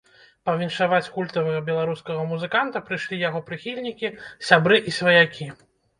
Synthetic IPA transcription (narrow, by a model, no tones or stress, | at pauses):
pɐvʲinʂavat͡sʲkulʲt̪ɐvɐɣɐbʲɛlˠaɾuskɐɣɐmuzɨkant̪ɐpɾɨʂlʲijaɣɔpɾɨxʲilʲnʲikʲisʲabɾɨʔisʲvɐjakʲi